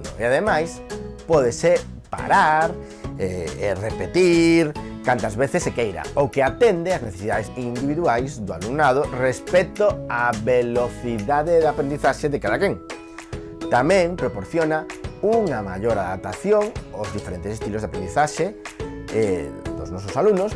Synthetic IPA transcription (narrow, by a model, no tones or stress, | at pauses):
no̰eaðemajspɔðese | pa̰ɾaɾ | eerepet̪iɾkant̪ɐzβeθesːekejɾa̰okeat̪end̪eazneθesiðaðesind̪iβiðuajzd̪ʊa̰luŋnað̞ʊrespet̪oaβeloθiðaðeðapɾend̪iθaʃeðekaðakeŋ | t̪amẽŋpɾopoɾθjonauŋamaʎoɾaða̰p̚t̪aθjoŋozðifeɾẽnt̪esest̪ilozðapɾend̪iθaʃe | d̪o̰znɔsosalunos